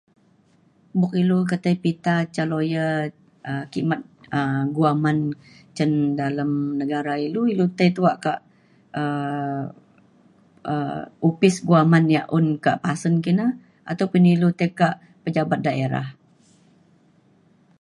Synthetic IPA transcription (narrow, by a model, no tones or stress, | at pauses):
bʊk̚iluk̬ət̪əjpit̪at͡ʃalojə | əkḭmat̪̚əɡuaman | t͡ʃəndaləmnəɡaɾailuilut̪əjt̪uaʔkaʔ | ə | ʔə̰upɪsɡuamanjaʔʊnkaʔpasənkina | at̪awpʊnilut̪əjkaʔ | pəd͡ʒabat̪̚daeɾa̰h